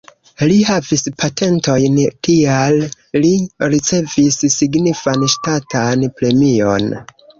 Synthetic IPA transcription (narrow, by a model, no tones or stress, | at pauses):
lihavispʰatʰe̞nto̞jnkialː | iɾit͡se̞vissiɡnifanʃtatanpɾe̞mio̞̰n